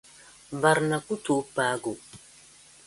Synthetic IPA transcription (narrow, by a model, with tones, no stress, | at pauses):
ba˨ɾna˨ku˦tu˨˦paː˦ɡu˨